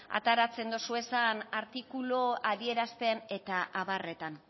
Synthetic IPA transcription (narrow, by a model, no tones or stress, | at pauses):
a̰t̪aɾat͡se̞nd̪osue̞sanaɾt̪ikuloaðie̞ɾast̪e̞ane̞t̪aʔaβare̞t̪an